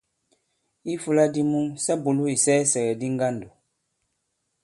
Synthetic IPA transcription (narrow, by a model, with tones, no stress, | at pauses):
i˦fu˦la˦di˦mũ˦ŋsa˦bo˨lu˦i˨sɛː˦sɛ˨ɡɛ˨di˦ŋ˦ɡa˦ndo˨